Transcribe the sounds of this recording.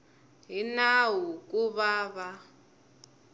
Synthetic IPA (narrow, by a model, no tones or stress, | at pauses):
ɦinaɦukʼuβaːβa